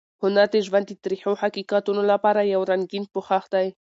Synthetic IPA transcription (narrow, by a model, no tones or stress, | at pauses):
hʊnaɾd̪eʒwand̪et̪ɾiħohakiqat̪unolapɑɾajawɾanɡin̚pʊxaxd̪aj